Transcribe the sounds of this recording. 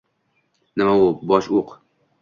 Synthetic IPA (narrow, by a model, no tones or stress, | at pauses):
nɪmaʊbɒʃuq